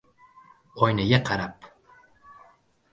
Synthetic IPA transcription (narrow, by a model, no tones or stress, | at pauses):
ɒjnaɡʲaqʰɑɾap